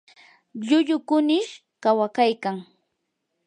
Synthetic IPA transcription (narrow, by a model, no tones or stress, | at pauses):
ʎʊʎʊkʊnɪʃ | kawakajkaŋ